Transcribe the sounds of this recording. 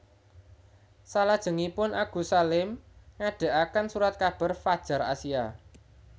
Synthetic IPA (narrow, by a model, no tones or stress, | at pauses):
salad̥ʒ̥ə̤ŋipʊnʔaɡ̥ṳsalɪmŋaɖ̥a̤ʔakansuɾat̪̚kab̥a̤rfad̥ʒ̥a̤ɾa̰sia